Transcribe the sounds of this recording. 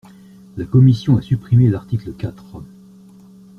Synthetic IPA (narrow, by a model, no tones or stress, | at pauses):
lakɔmisjɔ̃asypχimelaʁt̪ikləkʲat̪χ